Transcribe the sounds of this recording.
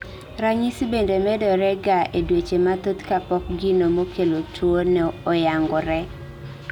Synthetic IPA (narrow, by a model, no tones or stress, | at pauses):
ɾaɲisbendemɛdɔɾɛɡaʔedwet͡ʃemat̪ot̪kapɔk̚ɡinomokʰelotwonɛɔjaŋɡɔɾɛ